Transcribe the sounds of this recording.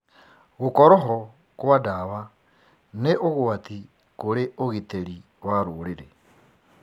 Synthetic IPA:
ɣukoɾoɦo | kwadaːβa | neʔoɣwati | kuɾeoɣiteɾi | waɾuliɾḛ

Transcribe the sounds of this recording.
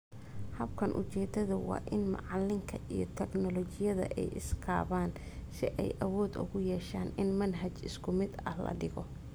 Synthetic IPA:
hɐb̚kʰɐnʔʊt͡ʃɛːd̪ɐðʊwɑ̰ːʔɪnmɑ̰ʕɑlɪŋkʰɐʔijɞt̪ʰɛknɔlɔt͡ʃɪjɐðɐ̰ʔɛjʔɪ̰skʰaːβaːn | sɪʔɛjʔɐwɔːd̪ʊ̰ɣʊjɛːʃaːnɪnmɐnɦɐt͡ʃɪskʰʊmɪd̪ɐ̰hlɐ̰ɖɪɣɔ

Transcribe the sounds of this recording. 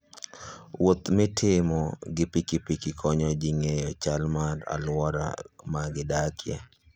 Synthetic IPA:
wot̪mɪtʰɪmɔɡɪpikipikikʰɔɲɔd͡ʒiŋejɔt͡ʃalmara̰lwɔɾa̰maɡɪdakʰjɛ̰

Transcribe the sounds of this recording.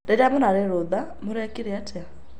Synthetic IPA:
dedamɔnaɾeɾoðamoɾɛkiɾiatɛa

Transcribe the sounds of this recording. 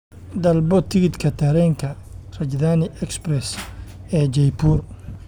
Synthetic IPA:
d̪ɐlbɔt̪ʰɪɣɪd̪kʰɐt̪ʰɐɾɛːŋkʰɐ | rɐd͡ʒd̪aːnɪʔɛksbrɛsɛːd͡ʒɛjbuːr

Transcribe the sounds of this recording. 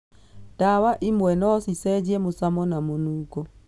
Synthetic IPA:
d̥awaʔɪmwɛnɔsisɛd͡ʒjemʊsamɔnamonuko

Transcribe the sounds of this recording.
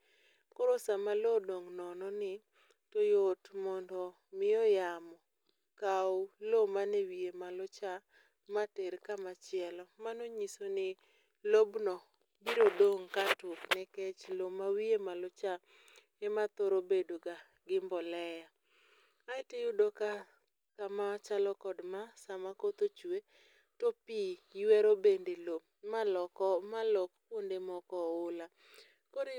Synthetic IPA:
koɾosamalodoŋnɔnɔnɪ | tojotmɔndɔ | mɪɔjamɔ | kawlomanewiemalʊt͡ʃa | mateɾkamat͡ʃɪɛlɔmanoɲisonɪ | lobnɔ | biɾodoŋkatʊknɛkɛt͡ʃlomawiemalot͡ʃa | ɛmat̪oɾobedoɡa | ɡɪmbɔlɛja | aɪtejʊdoka | kamat͡ʃalɔkɔdmasamakot̪ot͡ʃwe | topiwɛɾobendelo | maɔkɔmalokkwondemɔkɔʊla | koɾe

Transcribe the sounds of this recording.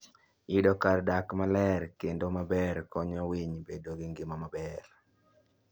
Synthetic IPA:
idɔkardakmalɛrkendomabɛɾkɔɲɔwiɲbedoɡɪŋɡɪmamabɛr

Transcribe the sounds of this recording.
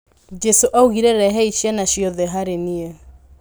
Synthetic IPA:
d͡ʒɛsoʔauɣiɾɛɾɛɦɛiʃianaɕijɔðɛɦaɾeniɛ

